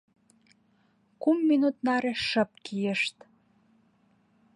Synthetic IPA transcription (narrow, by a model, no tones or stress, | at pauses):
kumːinut̪nɑɾeʃəp̚kijə̆ʃt̪